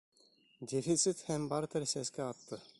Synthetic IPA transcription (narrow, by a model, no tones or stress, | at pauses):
d̪ʲefit̪sit̪hæmbɑɾt̪əɾsæskʲɛɑt̪ːɤ